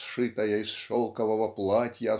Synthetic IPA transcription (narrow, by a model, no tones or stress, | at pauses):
ʂɨt̪ɐjɐisʂɔlˠkɐvɐvɐplˠatʲjɐ